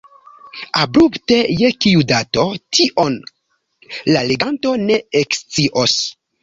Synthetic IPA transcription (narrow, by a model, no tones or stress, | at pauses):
abɾupte̞jekiudato̞tʰiʔon | lale̞ɡanto̞neekst͡siʔos